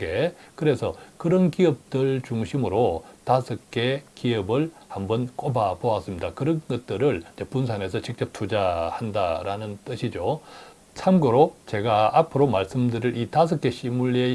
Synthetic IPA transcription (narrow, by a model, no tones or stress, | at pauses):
ɡe̞kɯɾe̞sʰʌkɯɾʌnkiʌp̚t͈ɯɭt͡ɕuŋɕʰimɯɾotasʰɯk͈e̞kiʌbɯɭhambʌnk͈obapoas͈ɯmɲidakɯɾʌnɡʌt̚t͈ɯɾɯɭid͡ʑepuns̬ʰane̞sʰʌt͡ɕik̚t͡ɕ͈ʌp̚tʰud͡ʑahandaɾanɯnt͈ɯɕʰid͡ʑo | sʰamɡɯɾot͡ɕe̞ɡaapʰɯɾomaɭs͈ɯmdɯɾiɾʔitas̬ʰʌk͈ʰe̞ɕʰimuɭːie